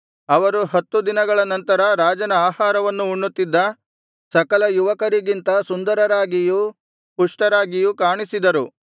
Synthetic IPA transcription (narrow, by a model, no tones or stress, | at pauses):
ɐʋɐɾuɦɐt̪ːud̪inɐɡɐɭɐnɐnt̪ɐɾɐɾaːd͡ʒɐnɐaːhaːɾɐʋɐnːuːɳːut̪ːid̪ːɐ | sɐkɐlɐjuʋɐkɐɾiɡint̪ɐsund̪ɐɾɐɾaːɡiju | puʂʈɐɾaːɡijukaːɳisid̪ɐɾu